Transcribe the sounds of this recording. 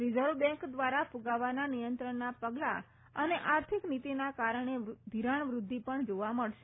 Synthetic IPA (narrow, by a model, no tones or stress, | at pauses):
ɾid͡ʒəɾʋbɛ̃ŋkd̪ʋaɾafuɡaʋananijənt̪ɾəɳnapəɡla̰ | əneʔaɾt̪ʰiknit̪inakaɾəɳed̪ʱiɾaɳ̃ʋɾʊd̪ʱːipəɳd͡ʒoʋaməɭʃe